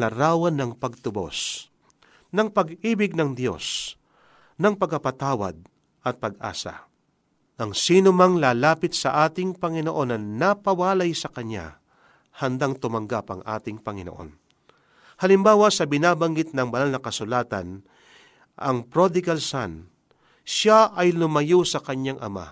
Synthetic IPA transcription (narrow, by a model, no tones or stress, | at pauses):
lɐɾaːwɐnːɐŋpɐɡ̚t̪ʊbo̞̰s | nɐŋpɐɡiːbɪɡ̚nɐŋd̪jo̞̰s | nɐŋpɐɡɐpɐt̪aːwɐ̰d̪̚ | ʔɐt̪̚pɐɡʔa̰ːsɐ̰ | ʔɐŋsiːnomɐŋlaːlaːpɪt̪̚sɐʔaːt̪ɪŋpɐŋɪnoʔo̞nɐnɐpɐwaːlɐjsɐkɐɲːa̰ | hɐnd̪aŋt̪ʊmɐŋɡapɐŋʔa̰ːt̪ɪŋpɐŋɪno̰ʔo̞̰n | hɐlɪmbaːwɐsɐbɪnaːbɐŋɡɪt̪̚nɐŋbɐlalnɐkɐsʊlaːt̪ɐ̰n | ʔɐ̰ŋpɾod̪ɪɡɐlsan | ʃaʔɐjlʊmɐjosɐkɐɲaŋʔɐ̰ma̰